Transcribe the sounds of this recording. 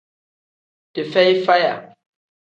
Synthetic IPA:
d̥e˨fɛ˦jfa˦ja̰˨

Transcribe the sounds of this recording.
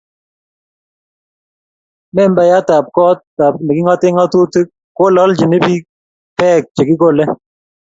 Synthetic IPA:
mɛ˦mba˨ja˦ta˨p̚kɔ˦t̚ta˨p̚nɛ˨ki˦ŋɔ˦tɪ˦ŋɔ˦tu˦te˦ | ko˦lɔ˦ld͡ʒi˨ne˦bi˦ | pɛ˦˨k̚t͡ʃe˨ki˦ko˦lɛ˦

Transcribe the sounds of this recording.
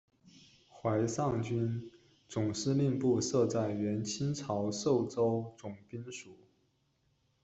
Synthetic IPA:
xwa˧˥ɪsɑ˥˩ŋt͡ɕy˥n | t͡sʊ˨˩ŋʂɻ̩˥˧li˥˧ŋpu˥˧sɤ˥˧t͡sa˥˩ɪɥɛ˧˥nt͡ɕʰi˥nt͡sʰɑ˧˥ʊʂo˥˩ʊt͡so˥ʊt͡sʊ˨˩ŋpi˥nʂu˨˩˦

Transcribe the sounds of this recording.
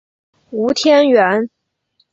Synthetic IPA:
u˧˥t̪ʰjɛ˥nɥɛ˧˥n

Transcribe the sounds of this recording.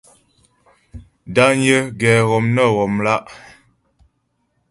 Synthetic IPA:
da˦ɲ˦ə˦ɡɛː˨ɣɔ˨mnə˦˨ɣɔ˨mla˦ʔ

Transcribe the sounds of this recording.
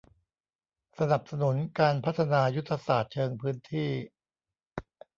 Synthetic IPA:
sa˧na˨˩p̚sa˧nu˩˦nkaː˧npʰa˦˥t̪ʰːa˧naː˧ju˦˥t̪ʰːa˧saː˨˩t̪̚t͡ɕʰɤː˧ŋpʰɯː˦˥nt̪ʰiː˥˩

